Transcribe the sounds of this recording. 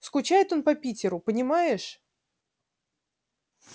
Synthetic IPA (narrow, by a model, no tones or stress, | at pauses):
skʊt͡ɕajɪt̪o̞npɐpʲitʲɪɾʊpənʲɪmajɪʂ